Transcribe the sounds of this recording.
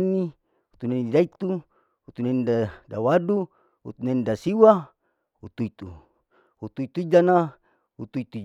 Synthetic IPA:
ni | ut̪unanidait̪u | ut̪unenidadawadu | ṵt̪unenidasiwa | ut̪uit̪u | hut̪uit̪uid͡ʒana | ut̪uit̪u

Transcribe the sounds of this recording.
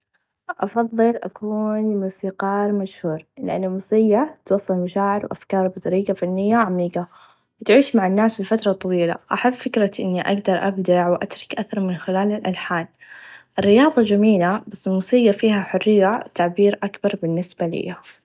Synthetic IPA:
ʔɑfɑðˤːɨlʔa̰kuːnmuːsiːqɑːɾmaʃhuːɾlɪ̰ʔa̰nːɪlmusɪjːat̪wɑsˤːɑlmaʃaːʕɪɾwʔa̰fkɑːɾˤbɪt̪ˤɑɾiːɡafanːɪjːaʕamiːqa | wɪt̪ʕiːʃmaʕanːaːsɪlfat̪ɾˤɑt̪ˤːɑwiːla̰ʔaħabːfɪkɾˤɑʔɪnːiʔaɡd̪ɑɾˤʔabd̪aʕwʔa̰t̪ɾˤɑ̥kʔaθɑɾˤmɪnxɪlaːlɪlʔalħaːnʔɪrːɪjɑːðˤɑd͡ʒamiːlabasːɪlmuːsˤɪjːafiːhaħʊrːɪjːat̪aʕbiːɾʔakbɑɾˤbɪnːɪsbalḭa

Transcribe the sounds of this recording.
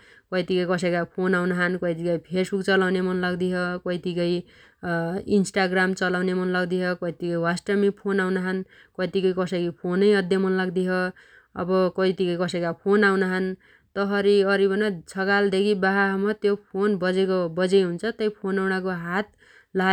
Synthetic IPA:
kʌjt̪ikʌjkʌsʌjkapʰonawnʌɦʌnkʌit̪ikʌjpʰesbukt͡sʌlawnemʌnlʌɡd̪iɦokʌɦit̪ikʌj | insʈaɡramt͡sʌlawnemʌnlʌɡd̪iɦʌkʌit̪ikʌjwasʈʌmipʰonawnʌɦʌn | kʌit̪ikʌjkʌsʌkipʰonʌjʌd̪jʌmʌnlʌɡd̪iɦʌ | ʌ̰bʌkʌit̪ikʌjkʌsʌjkapʰonawnʌɦʌn | t̪ʌɦʌɾiʌɾibʌnat͡sʰʌɡald̪ekʰibaɦaɦmʌt̪jopʰonbʌd͡zekobʌd͡zʌjɦunt͡sʰʌt̪ʌjpʰonawnʌkoɦat̪̚ | la

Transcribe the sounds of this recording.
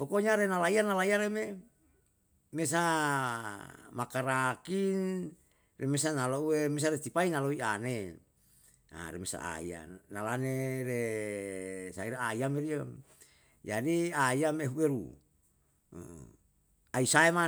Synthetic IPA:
pokoɲaɾenalaianalaiaɾeme | mes̬a | makaɾakin | remes̬analouwemes̬aɾet̪ipainaloiane | a̰ɾḛmesa̰a̰ḭa̰nalaneɾe | saiɾaaiameɾia | d͡ʒadiaiameɦuweɾṵ | aisaema

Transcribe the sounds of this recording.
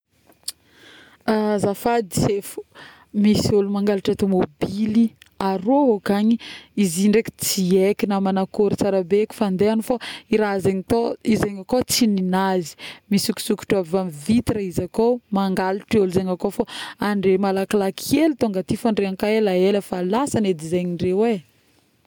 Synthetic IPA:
azafad̪i̥sefu̥ | misulumaŋɡaliʈ͡ʂat̪omobiliaɾoɦokaɲiiziɳɖ͡ʐeki̥t͡siekinamanakoɾit͡saɾabeki̥fand̪eanufaiɾazeŋit̪oizaɲakot͡sininazi̥misuku̥suku̥ʈ͡ʂavamvit̪iɾəizakomaŋɡaliʈ͡ʂoluzaŋakofaaɳɖ͡ʐemalakalakʰelit̪oŋɡat̪ifaɳɖ͡ʐeaŋkaelaeləfalasaned̪izaɲirewe

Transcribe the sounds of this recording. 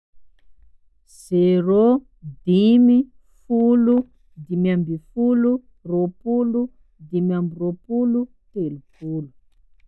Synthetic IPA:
z̥ero | d̪imi | fulu | d̪imiambifulu | ropulu | d̪imiambiropulu | t̪elupulu̥

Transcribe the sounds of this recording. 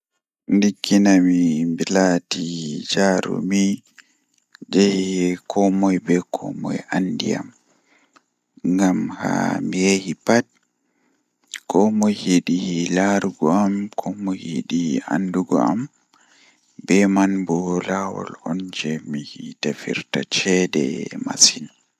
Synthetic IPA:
ndikːinamimbilatid͡ʒaɾṵmi | d͡ʒahikʰɔmɔjbɛkʰɔ̰mɔ̰jandḭa̰m | ŋɡamha̰mijehipat̚ | kɔmɔjhiɗilaɾuɡɔamkʰɔmɔhḭɗia̰nduɡɔam | bɛmanbɔlawɔ̰lɔnd͡ʒɛmihitafiɾtat͡ʃɛdɛ̰masin

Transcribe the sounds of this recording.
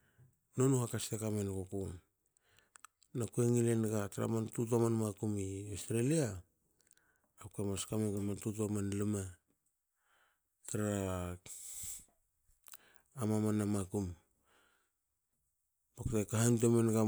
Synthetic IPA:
nonuhakastakamenkokun | nakueŋilenɡataɾa̰mantut̬amanmakumiostɾelia | pkamaskamenɡamantut̬uamanlima | taɾa | mamanamakum | baktekaɦant̬emenɡa

